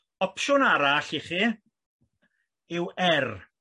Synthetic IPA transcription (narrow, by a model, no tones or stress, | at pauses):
ɔpʃʊnaɾaɬɪχi | ɪwɛr